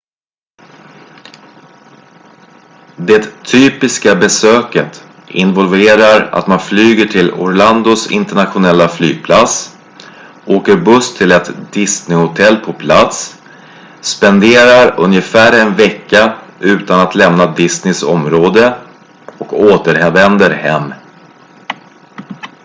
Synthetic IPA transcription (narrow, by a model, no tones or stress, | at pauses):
d̪ɛt̪ʰyːpɪskabɛsøːkət̪ | ɪ̰nvɔlveːɾaɾa̰t̪manflyːɡəʈʰɪlɔ̰ɾland̪ʊsɪ̰nt̪ɛɳat̪ɧʊnɛlːaflyːɡ̚pʰlat̪s | ʔoːkəɾbɵst̪ʰɪlɛt̪d̪ɪsnɪhʊt̪ʰɛlːpʰɔpʰlat̪sː | pɛnd̪eːɾaɾɵ̰njəfæːɾɛnvɛkːaʔʉ̟ːt̪anat̪ʰlɛmnad̪ɪsnɪsɔ̰mɾoːd̪ə | ɔkoːt̪əɾɦɛvɛnd̪əɾhɛ̰mː